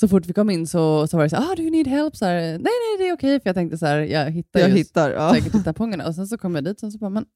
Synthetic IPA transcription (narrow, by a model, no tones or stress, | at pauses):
sɔfʊʈːvɪkʰɔmːɪnːsɔsɔvaɾɛsæːɾɑːd̪ʉjniːd̪ɦɛlpːsæːɾnɛɪnɛjd̪ɛæɾɔkʰɛjfœɾjɑɡt̪ɛŋk̚t̪əsæːɾjɑ̰ɡɦɪt̪ːaɾjahɪt̪ːaɾ̰ɛkkətʈʰːɪt̪ːaɾpʰɔŋːaɳa̰ɔsɛns̬ɔkʰɔmːjad̪iːt̪ɔsɛns̬ɔbɑmɛn